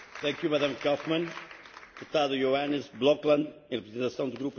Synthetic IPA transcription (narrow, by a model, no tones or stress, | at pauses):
t̪ɛ̃kjumɐðãmkɔfmɐ̃nt̪ut̪aðujoanizblˠɔklˠɐ̃nd̪ẽʁɨpɾɨzẽnt̪ɐsɐ̃w̃d̪uɣɾup